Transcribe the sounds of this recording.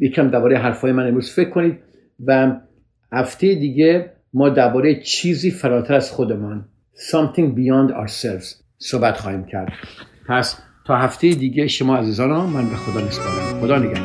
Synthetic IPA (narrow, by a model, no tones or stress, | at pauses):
jecʰiæmd̪æɾbɒːɾejeɦæɾfɒːjemænemɾuːz̥fe̞kʰkːoniːd̪ | væ | hæft̪ʰejed̪iːɡe | mɒːd̪æɾbɒːɾejet͡ʃʰiːziːfæɾɒːt̪ʰæɾæz̥xod̪emɒn | sɒmt̪ʰĩŋbijɑnd̪ɒ̰ɾselvz̥ | sobæt̪xɒːhiːmcʰæɾd̪̥pʰæs | t̪ʰɒːɦæft̪ʰejed̪iːɡeʃomɒːæziːzɒːnɔmænbexod̪ɒːnist̪ɒd̪æmxod̪ɒːneɡæh